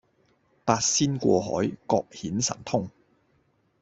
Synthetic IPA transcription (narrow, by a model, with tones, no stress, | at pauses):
paː˧t̚siː˥nkʷɔ̰ː˧ɦɔ̰ː˨˥jkɔː˧k̚hiː˨˥nsɐ̰˨˩nt̪ʰʊ˥ŋ